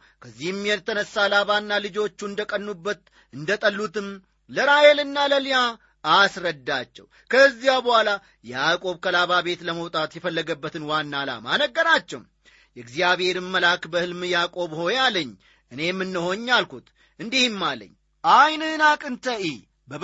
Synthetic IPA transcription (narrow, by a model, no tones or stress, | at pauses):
kʰəzːihɪmjɛnt̪ʰənəsːalaβanːalɨd͡ʒo̞t͡ʃːuɨnd̪əkʼənːubːət̪ | ɨnd̪ət̪ʼəlːut̪ɨm | ləɾajelɨnːaləlja | asɾəd̪ːat͡ʃːɛ̰w | kʰəzːijawbəhwala | jɛakʼo̞βkʰəlaβabe̞t̪ləməwt̪ʼat̪jɛfəlːəɡəbːət̪ʰɨnwanːala̰manəɡːəɾat͡ʃːɛ̰wm | jɛɡzjaβhe̞ɾɨmːəlakbəhɨlmjakʼo̞βho̞jaləɲː | ʔɨne̞mːɨnːəho̞ɲːalkut̪ | ɨnd̪ihɨmːalːə̰ɲː | ʔajnɨnakʼɨnt̪ʰəʔi | bə